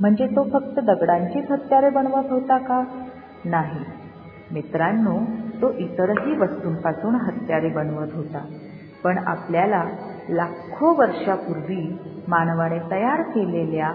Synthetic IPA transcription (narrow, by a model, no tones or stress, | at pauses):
m̤əɳd͡zet̪ofək̚t̪əd̪əɡɽaɲt͡ɕiːt̪ɦət̪jaɾebəɳʋət̪ɦot̪aka | naɦi | mit̪ɾanːot̪oʔit̪əɾɦiːʋəst̪uːnpasuːɳɦət̪jaɾebənʋət̪ɦot̪a | pəɳa̰pljala | lakʰːoʋəɾʂapuɾʋiːmanʋaɽ̃et̪əjaɾkelelja